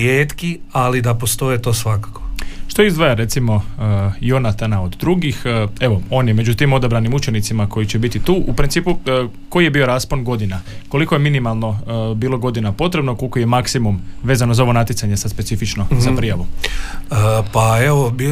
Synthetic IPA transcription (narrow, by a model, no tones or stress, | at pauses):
eːt̪kialid̪apost̪o̞et̪oːsʋakḁkoʃt̪oizd̪ʋajaɾe̞t̪simo̞jo̞nat̪anao̞d̪d̪ɾuɡixe̞ʋo̞o̞ːnjeme̞d͡ʑut̪imo̞d̪abɾanimut͡ʃe̞nit̪simako̞jit͡ɕe̞bit̪it̪uːʔupɾint̪siːpu | ko̞jije̞biːo̞ɾaːspo̞nɡo̞d̪inako̞liko̞je̞minimalˠno̞biːlˠo̞ɡo̞d̪inapo̞t̪ɾebnokolikoje̞maksimumʋe̞ːzano̞zao̞ʋo̞nat̪jit̪saɲesad̪spetsifit͡ʃno̞zapɾijaʋuəpaeʋobi